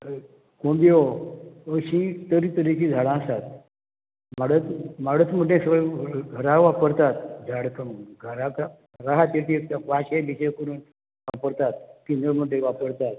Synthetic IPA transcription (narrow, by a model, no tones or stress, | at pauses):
kõbioəɕĩt̪əɾit̪əɾikid͡zʱaɽãsat̪ | maɽət̪maɽət͡s̪m̤əɖẽsəʋɡʱəɾaʋapəɾt̪at̪̚d͡zʱaɽkʰəmɡʱəɾaka | ɾaɦat̪jeʈiʋaɕebiɕekəɾuːn | ʋapəɾt̪at̪̚ːinəɭm̤əɖʱeʋapəɾt̪at̪̚